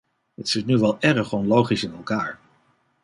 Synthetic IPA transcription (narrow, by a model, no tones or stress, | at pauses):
ətsɪtnyʋɛlˠɛrəχɔnlowχisɪnɛlˠkaːɹ